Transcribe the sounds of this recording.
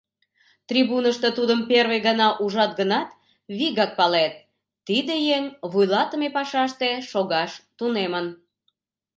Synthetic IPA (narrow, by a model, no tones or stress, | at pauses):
t̪rʲiβunəʃt̪ət̪ud̪əmperβejɣənɑʔuʒɑt̪̚ɡənɑt̪ | βiɣɑk̚pɑlet̪̚ː | id̪ejeŋβujlɑt̪əmepɑʃɑʃt̪eʃoɣɑʃt̪unemən